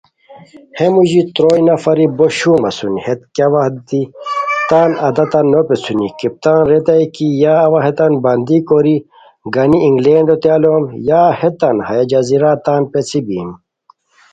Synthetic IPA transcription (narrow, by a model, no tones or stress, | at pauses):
hemuʑit̪ɾoːjnɐfɐɾiboɕumɐsunhet̪̚kɐʋɐhd̪it̪aːnɐd̪ɐt̪ɐnːopet͡sʰunikip̚t̪aːnɾet̪ɐjkijaːʋɐɦet̪ɐnbɐnd̪ikoɾi | ɡɐniiŋɡleːɳɖot̪jaːloːmjaːhet̪ɐnhɐjɐd͡ʑɐziɾaːt̪aːnpet͡sʰibḭːm